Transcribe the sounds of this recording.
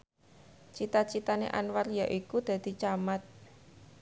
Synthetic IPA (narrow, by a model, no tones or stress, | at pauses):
t͡ʃit̪at͡ʃit̪anḛʔa̰nwarjaʔikud̪̥ä̤d̪̥i̤t͡ʃamat̪̚